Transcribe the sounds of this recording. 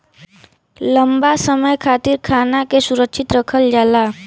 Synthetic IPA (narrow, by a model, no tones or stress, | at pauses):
ləmbasəməjkʰaːt̪iɾkʰaːnakesuɾəkʃʰɪt̪ɾəkʰəld͡ʒaːla